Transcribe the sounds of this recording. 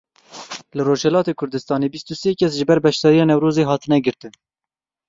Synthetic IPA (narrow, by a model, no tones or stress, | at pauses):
lɨroːʒhɛlɑːt̪eːkʰʊɾd̪ɨst̪ɑːneːbist̪useːkʰɛsʒɨbɛɾbɛʃd̪ɑːɾijɑːnɛwɾoːzeːɦɑːt̪ɨnɛɡɨɾt̪ɨn